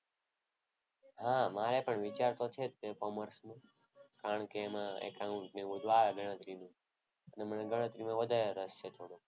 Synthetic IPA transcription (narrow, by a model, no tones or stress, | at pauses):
hãmaɾepəɳʋit͡ʃaɾt̪ot͡ʃʰet̪̚pekoməɾsmũkaɾəɳkeːmãḛkãũɳʈnẽʋud̪ʱalɡʱəɽ̃ə̃t̪ɾinũ | əneməneɡʱəɽ̃ə̃t̪ɾimãʋəd̪ʱaɾeɾəst͡ʃʰet̪ʰoɽ̃ũ